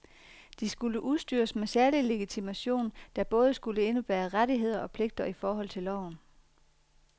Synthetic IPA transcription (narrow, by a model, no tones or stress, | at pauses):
d̥isɡ̥uləʔuðˠsd̥y̰ːɐsmesæɐlile̝ɡ̥it͡sʰimæɕo̝̰ːnd̥æ̈b̥ɔ̽ːð̞ˠəsɡ̥uləe̝nub̥æːɐʁaɾiɦe̝ð̞̰ˠɐɒ̽pʰle̝ɡ̥̚d̥ɐifɒːɦɒ̽l̰t͡sʰe̝lɒʊ̰n̩